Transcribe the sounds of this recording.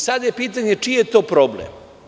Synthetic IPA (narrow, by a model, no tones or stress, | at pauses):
sad̪jepiːt̪̬aɲe̞t͡ʃijet̪o̞ːpɾoblḛm